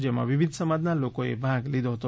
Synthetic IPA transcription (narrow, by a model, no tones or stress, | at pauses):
d͡ʒemã̰ʋibʱid̪ʱsəmad̪nalokoḛbʱãɡlid̪oɦt̪o